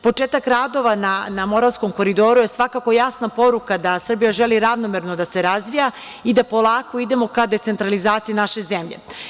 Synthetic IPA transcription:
po̞t͡ʂeːt̪akɾad̪o̞ʋananamo̞ɾavsko̞mko̞ɾid̪o̞ːɾuje̞sʋakako̞jasnapo̞ɾukad̪asr̩bijaʒeliɾaʋnomeɾno̞d̪ase̞ɾazʋija | id̪apo̞lˠaːko̞id̪e̞mo̞kad̪e̞t̪se̞nt̪ɾalizaːt̪siinaʃe̞zemʎḛ

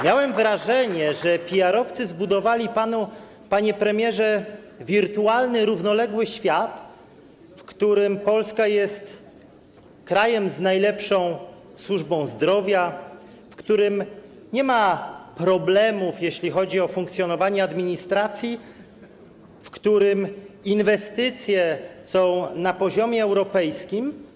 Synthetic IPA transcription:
mʲjawɛmvɾaʐɛɲɛʐɛpʲiaɾɔft̪sɘzbud̪ɔvalʲipanu | paɲɛpɾɛmʲjɛʐɛ | vʲiɾt̪ualnɘɾuvnɔlɛɡwɘɕfʲjat̪ | fkt̪uɾɘmpɔlskajɛst̪ | kɾajɛmznajlɛpʂɔ̃w̃ | swuʐbɔ̃w̃zd̪ɾɔvʲja | fkt̪uɾɘm | ɲɛmapɾɔblɛmufjeɕlʲixɔd͡ʑiɔfuŋkt̪sʲjɔnɔvaɲɛad̪mʲiɲist̪ɾat̪sʲji | fkt̪uɾɘminvɛst̪ɘt̪sʲjɛsɔ̃w̃napɔʑɔmʲjɛːwɾɔpɛjskʲim

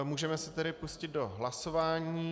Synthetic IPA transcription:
muːʒɛmɛsɪt̪ɛɾɪpuscɪd̪̚do̞ɦlaso̞vaːɲiː

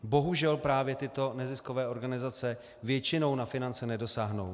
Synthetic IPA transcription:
bo̞ɦuʒɛlpɾaːvjɛt̪ɪt̪o̞nɛzɪsko̞vɛːʔo̞ɾɡanɪzat͡sɛ | vjɛt͡ʃɪno̞wnafɪnant͡sɛnɛdo̞saːɦno̞̰w

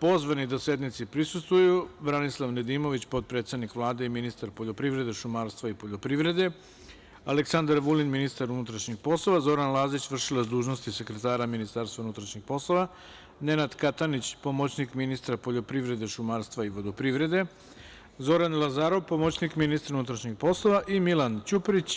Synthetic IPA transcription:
po̞zʋanid̪ase̞d̪nit̪sipɾisust̪ʋujubɾanislˠaʋned̪iːmo̞ʋit͡ɕpo̞t̪̚pɾet̪st̪ad̪nikʋlˠaːd̪e̞iminist̪aɾpo̞ʎo̞pɾiʋɾe̞d̪e̞ʃumaːɾst̪ʋaipo̞ʎo̞pɾiʋɾe̞d̪e | aleksand̪aɾʋulinminist̪aɾunut̪ɾaʃɲixpo̞slˠo̞ʋazo̞ɾanlˠazit͡ɕʋr̩ʃilazd̪uːʒnost̪ise̞kɾet̪aːɾaminist̪aːɾst̪ʋaunut̪ɾaʃɲixpo̞slˠo̞ʋa | ne̞nad̪kat̪anit͡ɕpo̞mot͡ɕnikminist̪ɾapoʎo̞pɾiʋɾe̞d̪e̞ʃumaːɾst̪ʋaiʋo̞d̪opɾiʋɾe̞d̪e̞ | zo̞ɾanlˠazaːɾo̞ʋpo̞mot͡ɕnikminist̪ɾaunut̪ɾaʃɲixpo̞slˠo̞ʋaʔimilant͡ɕupɾit͡ɕ

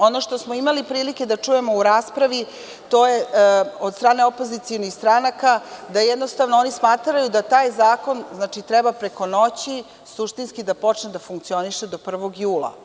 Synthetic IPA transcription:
o̞no̞ʃt̪osmo̞imalipɾiːlike̞d̪at͡ʂuje̞mo̞uɾaːspɾaʋi | t̪o̞jeod̪st̪ɾaːne̞opo̞zit̪ionixst̪ɾanakad̪ajɛd̪no̞st̪aʋnoo̞nismaːt̪ɾajud̪at̪aːjzaːko̞nznaːt͡ʃit̪ɾɛbapɾe̞ko̞no̞t͡ɕi | suʂt̪inskid̪apo̞t͡ʂned̪afuŋk̚t̪sio̞niʃed̪o̞pr̩ʋo̞ɡjuːla̰

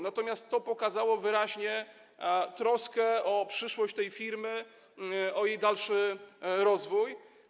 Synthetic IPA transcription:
nat̪ɔmʲast̪ːɔpɔkazawɔvɘɾaʑɲɛ | t̪ɾɔskɛɔpʂɘʂwɔɕt͡ɕt̪ɛjfʲiɾmɘ | ɔjejd̪alʂɘɾɔzvuj

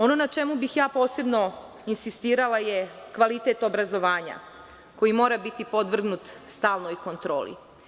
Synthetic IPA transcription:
o̞no̞nat͡ʃe̞mubixjaːpo̞ːse̞bno̞ | insist̪iːɾalaje̞kʋalit̪et̪obɾazo̞ʋaːɲa̰ | ko̞jimo̞ːɾabit̪ipo̞d̪ʋr̩ɡnut̪st̪aːlˠnojko̞nt̪ɾo̞ːlḭ

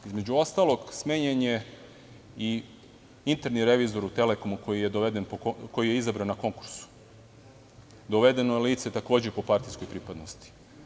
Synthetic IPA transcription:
izme̞d͡ʑuo̞st̪alo̞ɡsmeɲeɲe | i | int̪eɾniɾe̞ʋizo̞ɾut̪e̞leko̞muko̞jije̞d̪oʋed̪e̞npokojijeizabɾanːako̞ŋku̥ɾsu̥ | d̪o̞ʋe̞d̪e̞nojeliːt̪set̪ako̞ːd͡ʑepo̞paɾt̪isko̞jpɾipad̪nost̪i̥

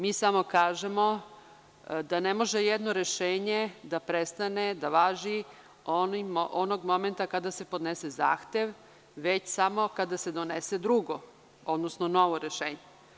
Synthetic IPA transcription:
miːsamo̞kaːʒemo̞ | d̪anemo̞ʒejɛd̪no̞ɾe̞ʃeːɲe̞d̪apɾest̪ane̞d̪aʋaːʒi | onimʔonoɡmo̞ment̪akad̪ase̞po̞d̪nese̞za̰ːxt̪eʋ | ʋet͡ɕsamo̞kad̪ased̪o̞nesed̪ɾuɡo | o̞d̪nosnono̞ʋoɾeʃeːɲe

